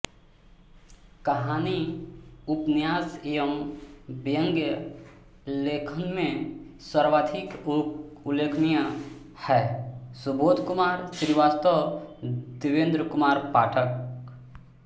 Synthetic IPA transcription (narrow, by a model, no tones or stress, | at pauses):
kəɦaːni | ʊpnɪjaːsjə̃ | bjə̃ŋɡjə | leːkʰənmẽsəɾʋaːd̪ʰʱik | ʊleːkʰnijã | hɛːsʊboːt̪kʊmaːɾsɾʋaːst̪ə | d̪ɪʋẽːnd̪ɾəkʊmaːɾpaːʈʰək